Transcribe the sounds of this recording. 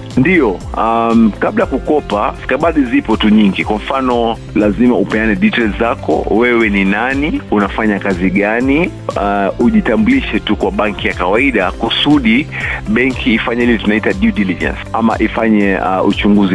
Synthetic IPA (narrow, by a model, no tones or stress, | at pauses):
ndijɔamkaɓlajakukɔpaskaɓaɗizipɔtuɲiŋɡikwamfanɔ | lazimaupɛanɛɗitɛlzakɔ̰wɛwɛninaniunafaɲakaziɠani | uʄitambuliʃɛtukwaɓaŋkijakawaiɗakusuɗiɓɛŋkʰiːfaɲailɛtunaitaɗjuɗilid͡ʒɛ̰nsa̰ma̰ʔifaɲɛut͡ʃuŋɡuzi